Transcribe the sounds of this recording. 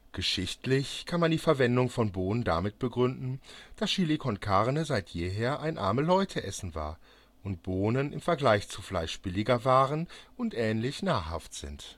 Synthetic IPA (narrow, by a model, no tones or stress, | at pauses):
ɡ̥əʃɪçtlɪçkʰanmandiːfɛɐvɛndʊŋfɔnboːnənda̰mɪt̚b̥əɡʁʏndn̩d̥asʃilikʰɔnkʰaʁnəzaɪtjeːɦeːɐʔaɪnʔa̰ɐməlɔʏtʰəʔɛsn̩va̰ːɐ | ʔʊnt̚b̥oːnənʔɪ̰mfɛɐɡlaɪçt͡suflaɪʃb̥ɪlɪɡɐvaːʁənʊntʔɛːnlɪçnaːha̰ftz̥ɪ̰nt